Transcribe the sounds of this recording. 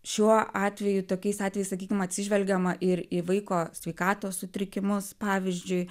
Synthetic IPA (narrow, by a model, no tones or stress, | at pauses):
ʃʲuɔɑːt̪ʲʋʲɛjʊt̪oːkʲɛɪsɑːt̪ʲʋʲɛjɪsɐkʲiːkʲɪmɐt̪ʲsʲɪʒʲʋʲɛlʲɡʲɛmɐʔɪɾiʋɐɪkoːsʲʋʲɛɪkɑːt̪oːssʊt̪ʲɾʲɪkʲɪmʊspɑːʋʲɪzʲd͡ʒʲʊɪ